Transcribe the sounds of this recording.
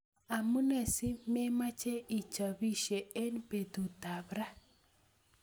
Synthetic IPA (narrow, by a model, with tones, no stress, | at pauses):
a˨mu˦ne˨si˦me˦ma˦t͡ʃe˦i˨t͡ʃa˨bi˦ʃe˨e˦npe˨t̪u˨ta˨bɾa˦